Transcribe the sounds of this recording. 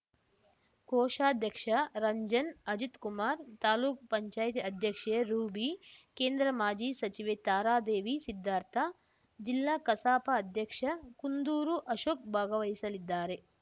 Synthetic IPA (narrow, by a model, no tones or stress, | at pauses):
koɔːʃaːd̪ʱjɐkʂɐɾɐɲd͡ʒɐnɐd͡ʒit̪kumaːɾt̪aːluːkpɐɲt͡ʃaːjt̪iɐd̪ʱjɐkʂeɾuːbikeːnd̪ɾɐmaːd͡ʒiːsɐt͡ʃiʋeːt̪aːɾaːd̪eːʋisid̪ʱːaːɾt̪ʰɐ | d͡ʒilːaːkɐsaːpɐːd̪ʱjɐkʂɐkund̪uːɾuʔɐʃoːk̚bʱaːɡɐʋɐɦisɐlid̪ːaːɾe̞